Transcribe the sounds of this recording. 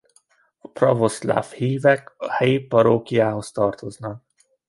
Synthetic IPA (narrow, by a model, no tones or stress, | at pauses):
ɒ̥prɒvosla̰fhiːvɛkɒhɛjipɒɾoːkijaːɦo̞st̪ɒrt̪o̞znɒk̚